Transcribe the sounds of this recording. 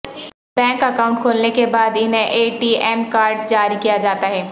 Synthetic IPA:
b̥ɛ̃ːŋkɐkaːʊ̃ɳʈ̚kʰoːlnekebaːd̪ɪnɦẽʔeːʈiɛːmkaːɾɖd͡ʒaːɾikijad͡ʒaːt̪aɦɛː

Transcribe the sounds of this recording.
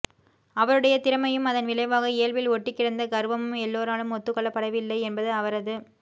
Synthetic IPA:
ɐʋɐɾɯɽɐjɐt̪ɪɾɐmɐjɯmɐðɐnʋɪɭɐɪʋaːɣɐɪjɐɭʋɪlɔʈːɪkːɪɽɐnd̪ɐɡɐɾʋɐmɯmɛlːoːɾaːlɯmɔt̪ːɯkːɔɭːɐpːɐɽɐʋɪlːɐɪɛnbɐðɯɐʋɐɾɐðɯ

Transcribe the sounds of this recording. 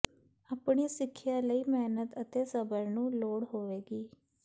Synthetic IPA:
aːpɳiːsɪkʰːjaːləiːmɛːnət̪ət̪eːsəbəɾnũːloːɽɦoːʋeːɡiː

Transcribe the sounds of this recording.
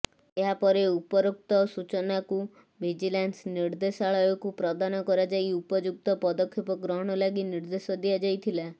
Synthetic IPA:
eɦapɔɾeupɔɾok̚t̪ɔsut͡ʃɔnaku | bʱid͡ʒilansniɾd̪esaɭɔjɔkupɾɔd̪anɔkɔɾad͡ʒajupɔd͡ʒuk̚t̪ɔpɔd̪ɔkʰːipɔɡɾɔɦɔɽ̃ɔlaɡiniɾd̪esɔd̪iad͡ʒajt̪ʰila

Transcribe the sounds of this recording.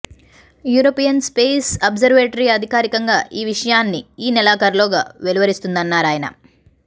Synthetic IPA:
juːɾoːpijɐnspeːsɐːbzɐɾʋeːʈɐɾiɐd̪ʱikaːɾikɐŋɡaːʔiːʋiʂɐjaːnːiiːnɛlaːkɐɾloːɡaːʋeliʋɐɾist̪und̪ɐnːaːɾaːjɐnɐ̰

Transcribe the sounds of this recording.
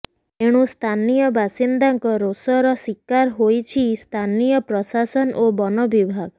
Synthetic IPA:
eɽ̃ũst̪ʰanijɔbasind̪aŋkɔɾosɔɾɔsikːaɾɦojt͡ʃʰist̪ʰanijɔpɾɔsasɔnʔobɔnɔbibʱaɡ

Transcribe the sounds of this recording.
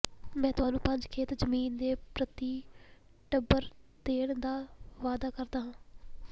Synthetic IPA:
mɛ̃ːt̪ʊaːnũːpə̃ɲd͡ʒkʰeːt̪d͡ʒəmiːnd̪eːpɾət̪iː | ʈəbəɾd̪eːɽd̪aːʋaːd̪aːkəɾd̪aːɦãː

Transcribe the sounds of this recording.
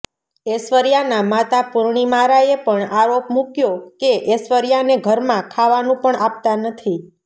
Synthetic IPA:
esʋəɾjanamat̪apʊɾɳ̃imaɾaepəɳaɾopmukjokeʔesʋəɾjaneɡʱəɾmãkʰaʋanũpəɳap̚t̪anət̪ʰi

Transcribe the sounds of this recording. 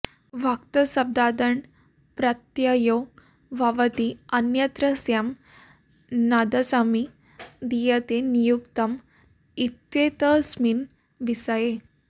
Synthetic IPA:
ʋʱakt̪ɐsɐb̚d̪ad̪əɳ | pɾɐt̪jajo | ʋaʋət̪iɐnjɐt̪ɾəsjam | nad̪ɐsami | d̪ijət̪enijukt̪ɐm | it̪ʋet̪əsmin | ʋisaje

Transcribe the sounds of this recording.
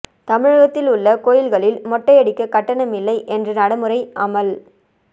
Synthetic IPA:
t̪ɐmɪɻɐɣɐt̪ːɪlʊɭːɐkoːjɪlɣɐɭɪlmɔʈːɐɐɽɪkːɐkɐʈːɐɳɐmɪlːɐɪʔɛndrɯnɐɽɐmɯrɐɪʔɐmɐl

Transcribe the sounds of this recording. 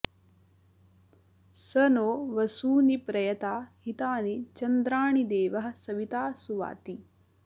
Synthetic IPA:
sɐnoːʋɐsuːnipɾɐjɐt̪aːhit̪aːnit͡ʃɐnd̪ɾaːɳid̪eːʋɐɦɐ̆sɐʋit̪aːsuʋa̰ːt̪i

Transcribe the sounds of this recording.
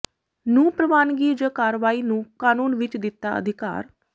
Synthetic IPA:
nũːpɾəʋaːnɡiːd͡ʒəkaːɾʋaːiːnũːkaːnuːnʋɪt͡ʃd̪ɪt̪ːaːə̰d̪ʱɪka̰ːɾ

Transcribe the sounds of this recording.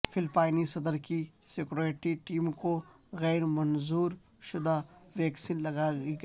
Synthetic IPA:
fʰɪlpaːɪnisɐd̪əɾkisekɾeːʈiʈiːmko | ɣɛːɾmɐnzuːɾ | ʃʊd̪aʋɛːksinlɐɡaːiɡ

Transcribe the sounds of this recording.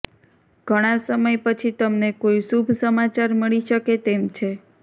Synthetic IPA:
ɡ̥ʱəɽ̃asəməjpət͡ʃʰit̪əmnekoisubʱsəmat͡ʃaɾməɭiʃəket̪emt͡ʃʰe

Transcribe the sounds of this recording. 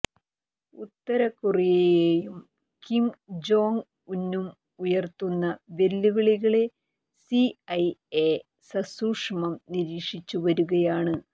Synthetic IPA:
ut̪ːɐɾɐkːurijɐejeːjum | kimd͡ʑo̞ːŋ | unːum | ujɐrt̪unːɐʋe̞lːuʋiɭiɣɐɭe̞ | siɐje | sɐsuːʂɐmɐmniɾiːkʂit͡ɕːuʋɐɾuɣɐjaːɳɨ

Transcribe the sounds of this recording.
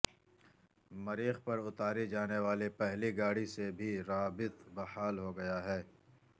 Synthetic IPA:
mɐɾiːxpɐɾʊt̪aːɾid͡ʒaːneʋaːlepɛɦliɡaːɽisebʱiɾaːbɪt̪bɐhaːlɦoɡɐjaɦɛː

